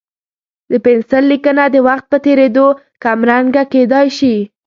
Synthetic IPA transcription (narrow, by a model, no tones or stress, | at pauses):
d̪əpensəllːikənad̪əwaxt̪̚pət̪eɾed̪o | kamɾaŋɡaked̪ɑjʃi